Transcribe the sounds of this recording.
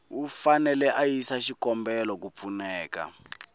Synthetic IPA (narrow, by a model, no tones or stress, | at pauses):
ufanɛlɛʔajisaʃikɔmbɛlɔkup̪funɛːka̰